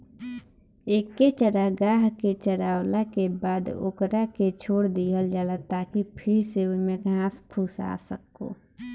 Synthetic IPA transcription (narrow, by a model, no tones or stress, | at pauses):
eːkːet͡ʃəɾaɡaːɦket͡ʃəɾaːwlakebaːd̪o̰kɾaket͡ʃʰoːɽd̪iəld͡ʒalət̪akipʰɪɾseumẽɡʱãːspʰuːsa̰ːsə̰ko̰ː